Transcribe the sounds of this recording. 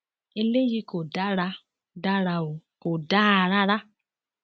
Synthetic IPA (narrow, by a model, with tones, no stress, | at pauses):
e˦le˦ji˦ko˨da˦ɾa˦ | da˦ɾa˨o˨ko˨da˦a˨ɾa˦ɾa˦